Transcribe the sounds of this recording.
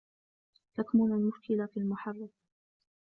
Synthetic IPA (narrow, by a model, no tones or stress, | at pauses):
t̪akmʊnalmʊʃkɪlafialmʊħɑrˤːɑb